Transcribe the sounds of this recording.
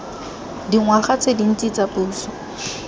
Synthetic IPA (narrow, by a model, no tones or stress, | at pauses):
diŋwaχat͡sedin̩t͡sʼit͡sapuːsɔ̥